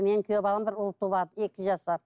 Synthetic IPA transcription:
me̞nɪŋkʰʲøbɑlˠəmbɪɾʊlˠt̪ʰuβɑd̪əe̞kʲɪʒɑsɑɾ

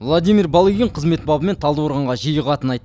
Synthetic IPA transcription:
vlˠad̪ijmʲiɾbɑlˠiɡʲɪɴqʰəzme̞t̪bɑbəme̞nt̪ʰɑlˠd̪woɾʁɑɴʁɑʒijəʁɑt̪ənɑjt̪

